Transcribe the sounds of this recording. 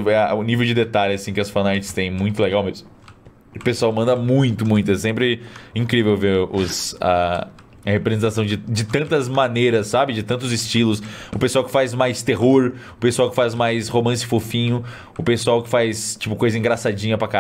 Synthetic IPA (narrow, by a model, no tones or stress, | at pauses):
ɛʊnivewd͡ʒɪd̪et̪alɪasĩkɪɐsfɐ̃najt͡ʃɪ̥st̪ẽj̃mũj̃t̪ʊleɡawmezmʊ | ʊpesuawmɐ̃nd̪ɐmũj̃t̪ʊmũj̃t̪ʊɛsẽmpɾɪĩŋkɾivewveɾʊsɐ̰ | ɐhepɾezẽnt̪asɐ̃w̃d͡ʒɪd͡ʒɪt̪ɐ̃nt̪ɐzmɐnejɾɐsːabɪd͡ʒɪt̪ɐ̃nt̪̬ʊzɪst͡ʃilʊsʊpesuawkɪ̥fajzmajst̪eɦoɾ | ʊpesuawkɪ̥fazmajshomɐ̃s̬ɪfofĩɲʊ | ʊpesuawkɪ̥fajst͡ʃi̥pʊkojzɐĩŋɡɾasad͡ʒĩɲɐpɾɐka